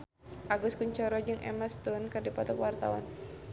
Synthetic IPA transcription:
ʔaɡʊskuɲt͡ʃɔɾɔd͡ʒɨŋʔɛ̰mast̪ʊnkɨrdipɔt̪ɔkwart̪a̰wa̰n

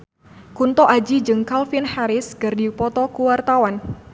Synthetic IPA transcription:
kunt̪ɔʔad͡ʒid͡ʒɨŋkalfinhaɾɪskɨrdipɔt̪ɔkuwart̪awan

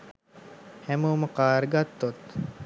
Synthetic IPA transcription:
hɛmuwməkaːɾɡat̪ːot̪

